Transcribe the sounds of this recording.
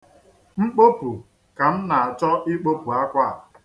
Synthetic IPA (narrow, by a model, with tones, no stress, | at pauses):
ŋ͡m̩˦k͡po˦pu˨ | ka˨m̩˦na˨a˨t͡ʃɔ˦ʔi˦k͡po˦pu˨a˦kʷa˦˨